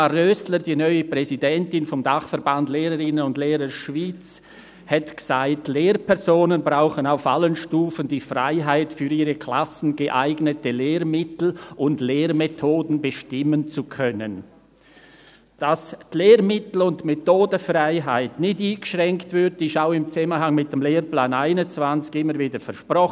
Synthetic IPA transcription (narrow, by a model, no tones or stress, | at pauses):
arœsləɾdiːnœʏəpʁ̥ɛzidɛntɪnfɔmdaχfɛɾbandleːɾəɾɪnənʊndleːɾəʃviːt͡s | hɛtɡ̥ə̥z̥aɪtleːrpʰɛʁzoːnənbʁaʊχənaʊfalənʃtuːfəndiːfra̰ɪɦaɪtfyːɾiːʁəkʰl̥asn̩ɡəʔaɪɡnətəleːɾmɪtl̩ʔʊndleːɾmetʰoːdn̩bəʃtɪmənt͡sukʰœnən | d̥asleːɾmɪtl̩ʊntmetoːdəfraɪɦaɪtnɪtiːɡ̥ə̥ʃʁɛŋktv̥ʏddɪʃaʊɪmt͡sɛmənhaŋmɪt̚d̥emleːrplaːnaɪnʊnt͡sv̥ant͡sɪ̥ɡɪmːəɾviːdəfɛɐʃpʁɔx